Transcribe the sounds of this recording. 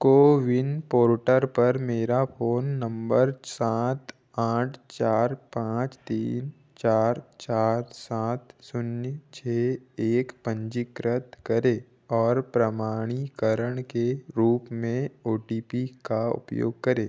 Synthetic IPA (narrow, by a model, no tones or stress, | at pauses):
koːʋɪnpoːɾʈəɾpəɾmeːɾapʰoːnːə̃mbəɾsaːt̪ | aːʈʰt͡ʃaːɾpãːt͡ʃt̪iːn | t͡ʃaːɾt͡ʃaːt̪saːt̪sʊnjt͡ʃʰeːeːkpə̃ɲd͡ʒɪkɾət̪kəɾeː | ɔːɾpɾəmaːɽ̃ikəɾəɽ̃keɾuːpmẽoːʈiːpikaʊ̰pjo̰ːɡ̚kəɾeː